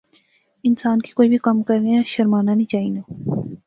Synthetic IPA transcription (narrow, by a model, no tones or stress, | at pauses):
ɪnsaːnki̥koːibʱikɐmkɐɾneaʃɐɾmaːnanĩt͡ʃaːĩːnaː